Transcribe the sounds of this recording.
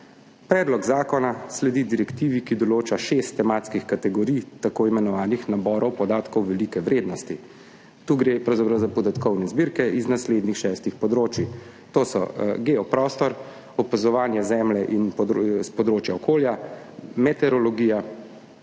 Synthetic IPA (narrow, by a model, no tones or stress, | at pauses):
pɾɛːd̪lɔɡzaːkɔnaslɛd̪id̪iɾɛkt̪iːʋikid̪ɔloːt͡ʃaʃest̪ːɛmaːt̪skixkat̪ɛɡɔɾiːjt̪akoːimɛnɔʋaːnixnabɔːɾɔwpɔd̪aːt̪kɔwʋɛliːkɛʋɾeːd̪nɔst̪i | t̪uːɡɾepɾɐwzapɾɐwzapɔd̪at̪kɔwnɛzbiɾkɛiznasleːd̪nixʃɛːst̪ixpɔd̪ɾoːt͡ʃji | t̪oːsɔ̰ɡeɔpɾɔːst̪ɔɾ | ɔpazɔʋaːnjɛzɛːmlɛʔinspɔd̪ɾoːt͡ʃjaɔkʰoːlja | mɛt̪ɛɾɔlɔɡiːja